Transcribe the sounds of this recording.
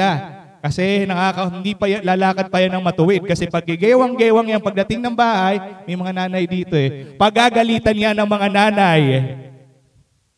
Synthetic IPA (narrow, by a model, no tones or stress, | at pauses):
a | kɐsɛnɐkaːkɐhɪnd̪ipɐjalalaːkɐd̪̚pɐjanɐŋmɐt̪ʊwɪd̪̚kɐsɛpɐɡ̚ɪɡɛːwɐŋɡɛːwɐŋjaŋpɐɡ̚d̪ɐt̪ɪŋnɐŋbaːhɐjmɐjmɐŋanaːnɐjd̪iːt̪o̞ɛpɐɡaːɡɐliːt̪ɐnjanɐŋmɐŋanaːnɐj